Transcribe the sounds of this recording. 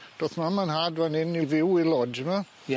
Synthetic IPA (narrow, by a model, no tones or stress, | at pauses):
d̥oθmamanhadvanɪnivɪwilɔd͡ʒəma